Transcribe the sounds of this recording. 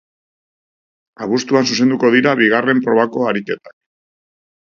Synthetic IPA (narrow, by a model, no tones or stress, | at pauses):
aβust̪uansuse̞nd̪uko̞ðiɾaβiɣare̞mpɾo̞β̞ako̞aɾike̞t̪ḁk̚